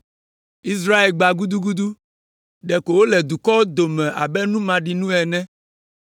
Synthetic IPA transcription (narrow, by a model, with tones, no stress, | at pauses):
i˦s̬ɾa˦e˨lɡ͡ba˨ɡu˦d̪u˦ɡu˦d̪u˦ | ɖɛ˨ko˨wo˦lɛ˨d̪u˨kɔ˦o˦d̪o˨mɛ̃˨ʔa̰˨bɛ˦nũ˦mã˨ɖi˨nũ˦ɛ˨nɛ̃˦